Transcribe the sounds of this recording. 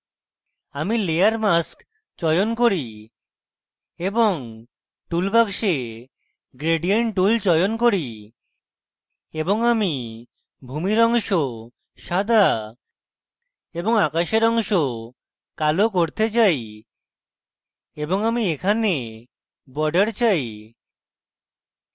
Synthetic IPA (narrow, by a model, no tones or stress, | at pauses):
amileaɾmask | t͡ʃɔjonkoɾi | eboŋ | ʈulbakʃe | ɡɾeɖijaɳʈʈult͡ʃɔjonkoɾi | eboŋami | bʱumiɾɔŋʃo | ʃad̪ʱa | eboŋakaʃeɾɔŋʃo | kalokoɾt̪et͡ɕaj | eboŋamiekʰane | bɔɖeɾt͡ɕaj